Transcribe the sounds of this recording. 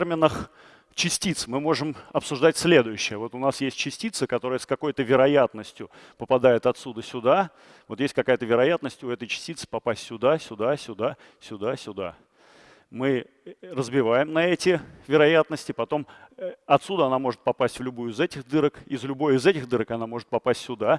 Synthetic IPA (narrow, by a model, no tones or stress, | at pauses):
rmʲɪnəx | t͡ɕɪsʲtʲit̪smɨmo̞ʐɨmɐpsʊʐd̪atʲsʲlʲe̞d̪ʊjɕːɪjəvo̞t̪ʊnasjesʲt̚ʲt͡ɕɪsʲtʲit̪səkɐt̪o̞ɾəjəskɐko̞jt̪əvʲɪɾɐjat̪nəsʲtʲjʊ | pəpɐd̪ajɪt̪ɐt̪sud̪əsʲʊd̪a | vo̞t̪jesʲtʲkɐkajət̪əvʲɪɾɐjat̪nəsʲtʲʊɛt̪əjt͡ɕɪ̥sʲtʲit̪sɨ̥pɐpasʲtʲsʲʊd̪asʲʊd̪asʲʊd̪a | sʲʊd̪asʲʊd̪a̰ | mɨ | rəzbʲɪvajɪmnɐɛtʲɪvʲɪɾɐjat̪nəsʲtʲɪpɐt̪o̞mɐt̪sud̪əɐnamo̞ʐɨt̪̚pɐpasʲtʲvlʲʊbujʊɪzɛtʲɪxd̪ɨɾəkɪzlʲʊbo̞jɪzɛtʲɪxd̪ɨɾəkɐnamo̞ʐɨt̪̚pɐpasʲtʲsʲʊd̪a